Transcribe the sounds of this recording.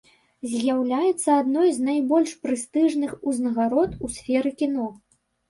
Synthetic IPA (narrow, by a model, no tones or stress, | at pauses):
zʲjawlʲajɛt̪sːɐad̪nɔjznajbɔlʲʂpɾɨst̪ɨʐnɨxuznɐɣaɾɔt̪usʲfʲɛɾɨkʲinɔ